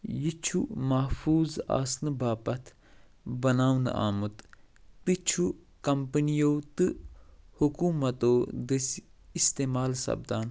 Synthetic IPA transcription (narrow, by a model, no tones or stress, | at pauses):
jit͡ʃʰumɐhfuːza̰ːsnɨbaːpɐt̪ʰ | bɐnaːwn̰a̰ːmut̪t̪ɨt͡ʃʰu | kɐmpənijoːt̪ɨhukuːmɐt̪oːd̪isist̪eːmaːlsɐ̰b̚d̪aːn